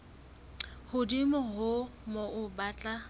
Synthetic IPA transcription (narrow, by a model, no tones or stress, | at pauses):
hʊdimʊɦʊmoʔʊbaːt͡ɬʼa